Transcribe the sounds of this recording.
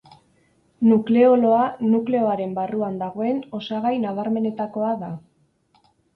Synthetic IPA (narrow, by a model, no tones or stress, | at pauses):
nukle̞olo̞anukle̞o̞aɾe̞mbaruand̪aɣ̞o̞e̞no̞saɣajnaβ̞aɾme̞ne̞t̪ako̞aða